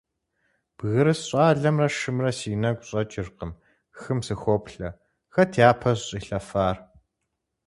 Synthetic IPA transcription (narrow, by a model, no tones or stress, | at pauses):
b̥ɣɨɾɨsɕʼɑːɮɐmrɐʃɨmrɐsiːnɐɡʷʼɕʼɐt͡ʃʼɪrqəm | xɨmsɨxʷoːpɬɐ | xɐtʰeaːpʰɐsɕʼiːɬɐfaːr